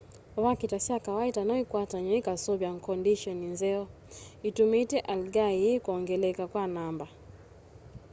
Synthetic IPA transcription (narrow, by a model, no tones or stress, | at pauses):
wakitasiakawaitanɔikwataɲuikasɔbjaŋ̩kɔndiʃɔninzɛɔ | itumitɛʔalɡaiikuɔŋɡɛlɛkakwanamba